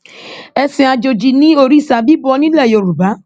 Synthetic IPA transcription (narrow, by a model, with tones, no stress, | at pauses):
ɛ˧sɛ̃˧a˧d͡ʒo˧d͡ʒi˧nĩ˦o˧ɾi˦˨sa˧bi˦bɔ˧˦nĩ˦lɛ˦˨jo˧˨ɾu˨ba˨˦